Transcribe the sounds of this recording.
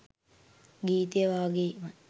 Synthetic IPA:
ɡiːt̪əjəʋaːɡemə

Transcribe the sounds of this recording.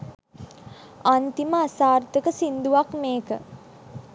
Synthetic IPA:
ant̪iməasaːrt̪əkəsind̪uʋakmeːkə

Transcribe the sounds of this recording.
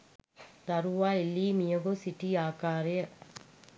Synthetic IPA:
t̪ɐɾuʋaːilːimijɐɣosiʈːiaːkaːɾeɐ

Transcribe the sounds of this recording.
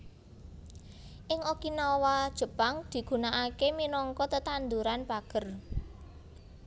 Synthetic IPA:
ʔɪŋokinawad̥ʒ̥ə̤paŋd̪̥i̤ɡ̥ṳnaʔakeminɔŋkɔt̪ət̪and̪uɾanb̥aɡ̥ər

